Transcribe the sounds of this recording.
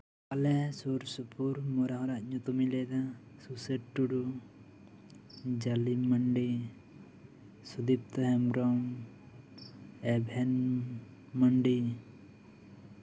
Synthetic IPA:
alɛsuɾsupuɾmɔɾaɦɔ̃ɾaʔɲut̪umilɛd̪asuseʈʈːuɽu | d͡ʒaliməɳɖi | sud̪ip̚t̪ɔhɛmɾɔŋ | ɛbʱɛn | məɳɖi

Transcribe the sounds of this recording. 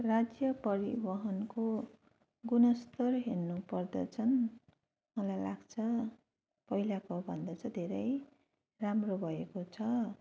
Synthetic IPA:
rad͡zjʌpʌɾḭbʌɦʌnko | ɡunʌst̪ʌrɦernupʌrd̪ʌ̰t͡sʰʌn | mʌlajla̰ɡt͡sʰʌ | pʌɦilakobʱʌnd̪ʌt͡sʰʌd̪ʱeɾʌj | ramrobʱʌekot͡sʰʌ

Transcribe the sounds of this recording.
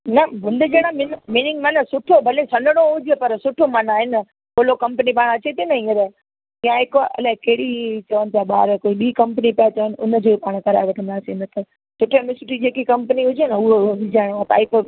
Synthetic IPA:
nɐbʊ̃nd̪ɪd͡ʑeːɽ̃amɪnmiːnɪ̃ŋɡmɐnɐsʊʈʰobʱɐlẽsɐ̃nɖəɽ̃oɦʊd͡ʑepɐɾsʊʈʰomɐnaːɦɪn | koːlokɐ̃mpənipaːɽ̃ɐt͡ɕet̪ʰinɐĩːəɾə | ijãɦɪkɐ̰lakeɦɪɽit͡ɕɐʋənɪ̆t̪ʰijaɓa̰ːɾkoːiɓiːkɐ̃mpənipijat͡ɕɐʋənɪ̆ʔʊ̰nəd͡ʑoːipaːɽ̃kɐɾa̰ːeʋɐʈʰə̃nd̪aːsinət̪ɐ | sʊʈʰemɪsɪʈid͡ʑeːkikɐ̃mpəniɦʊd͡ʑnɐʊɦoʋɪd͡ʑaːɪɽ̃ãt̪a̰ːɪp

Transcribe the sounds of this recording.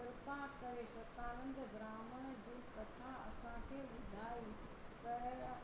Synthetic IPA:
ɪɾpakɐɾeʃɐt̪aːnə̃nd̪ɡɾaːməɽ̃d͡ʑiːkɐt̪ʰaɐ̰sãkʰeːʋɪd̪ʱaːi | pɐɦɾ

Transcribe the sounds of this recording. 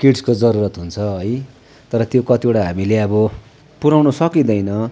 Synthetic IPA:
kiʈskod͡zʌɾuɾʌt̪ɦunt͡sʰʌɦʌj | t̪ʌɾʌt̪jokʌt̪ioʈaɦamileʌbʌ | puɾawnʌsʌkid̪ʌjnʌ

